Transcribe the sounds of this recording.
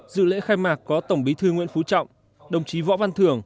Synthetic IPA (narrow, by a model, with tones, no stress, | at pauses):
zɨ̰˧˨lḛ˧˥xaː˧jmaː˨˩k̚kɔ˨˦t̪ə˧˩wŋ͡mɓi˨˦t̪ʰɨ˧ŋwḭ˧˥ənfu˨˦t͡ɕɔ̰˧˨wŋ͡m | ɗə˨˩wŋ͡mt͡ɕi˨˦vɔ̰˧˥va˧nt̪ʰɨ˨˩əŋ